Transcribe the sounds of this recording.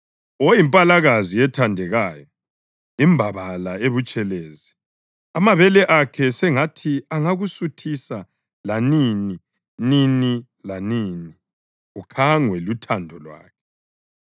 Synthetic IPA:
ojimpʼalaɣaziɛtʰandʱɛɣaːjɔ | imbʱaβalaeβut͡ʃʼɛleːzi | amaβɛlɛʔakʰɛsɛŋatʰiaŋaɣusutʰisa | lanini | nini | laniːni | ukʰaŋwɛlutʰandʱɔlwa̰ːkʰɛ̥

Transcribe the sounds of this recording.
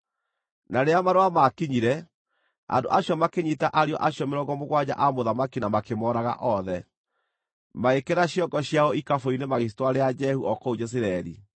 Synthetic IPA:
naɾeamaɾoamakiɲiɾɛ | a̰ndo̰ʔaɕjɔmakeɲitaʔaɾiɔ̰ʔaɕjɔmeɾɔɡɔmoɣwad͡ʑa̰ʔamoðamakinamakemɔːɾaɣa̰ʔɔðɛ | maekeɾaɕjɔŋɡɔɕjaɔikafoinemaɣis̬towaɾead͡ʒɛhuʔɔkɔud͡ʒɛs̬iɾɛɾḭ

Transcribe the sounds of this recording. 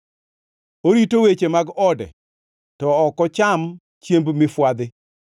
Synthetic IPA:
oɾitowet͡ʃemaɡɔdɛ̰ | tɔːkɔt͡ʃam | t͡ʃjembmɪfwad̪ɪ

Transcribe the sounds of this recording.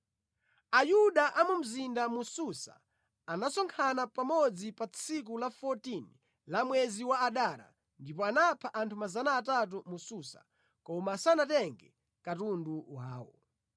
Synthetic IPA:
ajuɗaʔamum̩zindamususa̰ | anasɔŋkʰanapamɔd͡zipat͡sʰik̬ulafɔtini | lamwɛziwaaɗaɾa̰ | ndipɔanapʰaʔantʰumazanaːtat̬umususa̰ | kɔmasanatɛŋɡɛ | katunduwaːwɔ̰

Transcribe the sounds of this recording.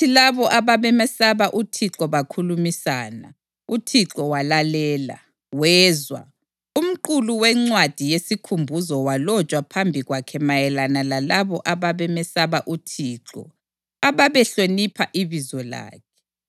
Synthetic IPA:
tʰilaβɔʔaβaβɛmɛsaβaʔutʰiǁɔβakʰulumisaːna̰ | utʰiǁɔwalalɛːla̰ | wɛːzwa̰ | um̩ǃuluwɛŋ͡ǀwad̥ʱijesikʰumbʱuzɔwalɔt͡ʃʼwapʰambʱiɣwakʰɛmajɛlanalalaβɔʔaβaβɛmɛsaβaʔutʰiːǁɔ̰ | aβaβɛɬonipʰaʔiβizɔla̰ːkʰɛ̥

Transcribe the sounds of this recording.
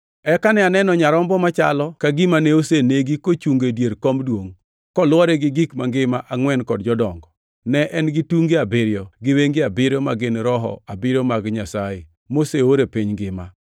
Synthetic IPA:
ɛkanɛanɛnɔɲaɾɔmbɔmat͡ʃa̰lɔkaɡɪmaneoseneɡikot͡ʃuŋɡedjeɾkɔmdwoŋ | kɔlwɔɾɛɡɪɡikmaŋɡɪmaʔaŋwɛnkɔdd͡ʒɔdɔŋɡɔ | nɛʔɛnɡɪtuŋɡeabɪɾjɔɡɪweŋɡɪabɪɾjɔmaɡɪnɾɔɦɔ̰abɪɾomaɡɲasaje | moseoɾepiɲɡɪma̰

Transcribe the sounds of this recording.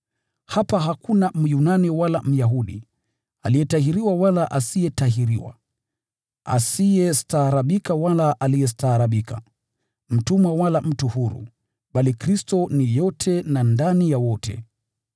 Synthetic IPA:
hapaɦakunam̩junaniwalam̩jaɦuɗḭ | a̰lijɛtaɦiɾiwawalaʔasijɛtaɦiɾiwa̰ | a̰sijɛstaːɾaɓikawalaʔalijɛs̬taːɾaɓika̰ | m̩tumawalam̩tuhuɾṵ | ɓalikɾistɔnijɔtʰɛnandanijawɔtʰɛ̰

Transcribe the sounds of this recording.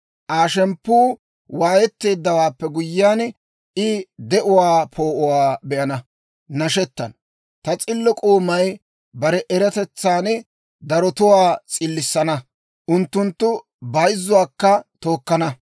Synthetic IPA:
ʔaːʃɛmpːuː | waːjɛt̪ːe̞ːd̪ːɐwaːpːɛɡʊjːaːn | ɪd̪ɛʔʊwaːpʰo̞ːʔʊwaːbɛʔɐnɐ | nɐʃɛt̪ːɐn | t̪ɐt͡sʼɪlːɔkʼoːmɐj | bɐɾɛʔɛɾɐt̪ɛt͡sːaːn | d̪ɐɾɔt̪ʊwaːt͡sʼɪlːɪsːɐnɐ | ʔʊnt̪ːʊnt̪ːʊ | bɐjzːʊwaːkːɐt̪o̞ːkːɐnɐ

